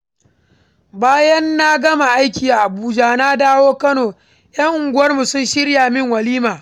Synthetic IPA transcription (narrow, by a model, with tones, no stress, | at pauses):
baː˦jɐ˦nːa˦ɡɐ˦ma˨ʔa˦jkʲiː˨ʔa˨ʔa˨buː˦d͡ʒaː˦na˦daː˦woː˦kɐ˦noː˨ | jɐ˦ŋʔʊ˨ŋɡʷʊ˦wɐ˦rmu˨sʊ˦nʃɪ˦ɽjaː˨mɪ˦ŋwɐ˨liː˦maː˨